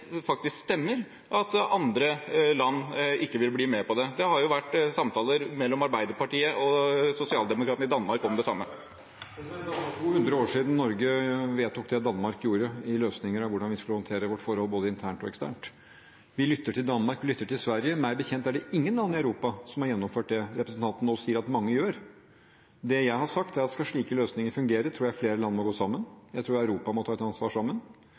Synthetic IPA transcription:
fɑk̚t̪ɪskst̪ɛmːəɾ | ʔɑt̪ɑnd̪ɾəlɑnːɪkːəʋɪlbliːmɛpɔd̪ɛd̪ɛhɑɾjʊʋæʈːsɑmt̪ʰɑːləɾmɛlːɔmɑɾbæɪd̪əɾpɑʈiːəʔɔsʊsɪɑːld̪ɛmʊkɾɑːt̪nəɾɪd̪ɑnmɑɾkɔmd̪ɛsɑmːə | ɛd̪ɑnɑuːhʉnd̪ɾəoːʂiːd̪n̩nːɔɾɡəʋeːt̪ːʊːk̚d̪ɛd̪ɑnmɑɾkjuːɾəɪløːsnɪŋəɾɑʋʊɖɑnʋɪskʉləhɔnt̪ʰeːɾəʋɔʈfɔɾhɔlboːd̪əɪnt̪ʰæːɳʈɔɛkst̪æ̰ːɳʈ | ʋɪlʏt̪ːəʈʰɪld̪ɑnːmɑɾkʋɪlʏt̪ːəʈʰɪlsʋæɾjəmæɪbəçɛnt̪æɖɛɪŋːənlɑnːɪɑʉɾuːpɑsɔmhɑɾjɛnːɔmføːʈ̚d̪ɛɾɛpɾəsn̩t̪ɑnt̪n̩osiːəɾɑt̪mɑŋːəjøːɾ | d̪ɛjæɪɦɑʂɑkt̪æɾɑt̪skɑʂɭiːkəløːsnɪŋəɾfʉŋɡeːɾət̪ʰɾuːɾjæfleːɾəlɑnːəmɔɡoːsɑmːənjæɪt̪ʰɾuːɾœʉɾuːpɑmɔt̪ʰɑːɛt̪ɑnsʋɑ̰ːʂɑmːən

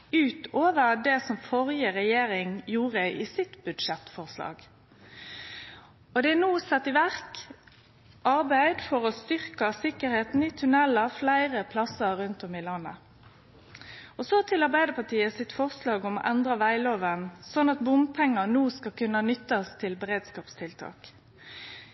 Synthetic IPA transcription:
ʉːt̪oːʋəʁd̪ɛsɔmfɔʁjəɾɛjeːɾɪŋjuːʁəʔɪsɪt̪bʉd̪ʂɛt̪fɔʁslɑ̰ːɡ̥ | ɔd̪ɛænuːsɛt̪ːɪʋæʁk | ʔɑɾbæɪd̪fɔʁɔst̪ʏʁkəsɪkəɾheːt̪n̩ɪt̪ʰʉnɛləflæɪʁəpʰlɑsəɾːʉnt̪ɔmɪlɑnːə | ɔsɔt̪ʰɪlɑʁbæɪd̪əpʰɑʈʰiːəsɪt̪fɔʁslɑːɡɔmɔ̰ʔɛnd̪ʁəʋæɪloːʋənsɔnːɑt̪̚bʊmpʰɛŋːənuːskɑkʉnːənʏt̪ːɑst̪ʰɪlbəʁeːd̪skɑːpst̪ʰɪlt̪ʰɑ̰ːk

